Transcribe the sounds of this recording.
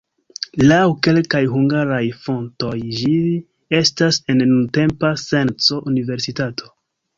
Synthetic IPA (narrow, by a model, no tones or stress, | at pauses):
lawke̞lkajɦuŋɡaɾajfo̞nto̞jd͡ʒi | e̞stase̞nːunte̞mpase̞nt͡so̞ʔunive̞ɾsitatʰo̞̥